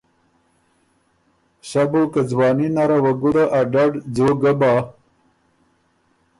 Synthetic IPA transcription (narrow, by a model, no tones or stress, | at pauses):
ɕabokad͡zwɑːninaɾawaɡuɽaʔaɖaɖd͡zoɡabaː